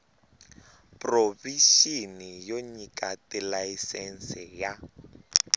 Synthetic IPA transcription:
proviʃinijoɲikʼatɪlaisɛn̩sɛja

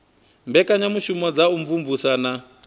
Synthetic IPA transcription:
mbɛkaɲamuʃumɔd͡zauɱvuɱvusana

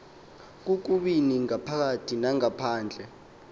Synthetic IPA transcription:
k̬uk̬uɓiniŋapʰak̬atʰinaŋapʰaːnd͡ɮʱɛ

